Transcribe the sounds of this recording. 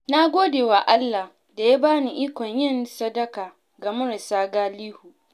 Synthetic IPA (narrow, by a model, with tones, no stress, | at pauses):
na˦ɡʷoː˦deː˨wa˨ʔa˦lːa˨ | da˨ja˦baː˦ni˨ʔiː˦kʷɔ˨ɲjɪ˦nsɐ˦dɐ˦kaː˨ | ɡa˨mʊ˦ɾɪ˨saː˦ɡaː˦liː˦hu˨ʔ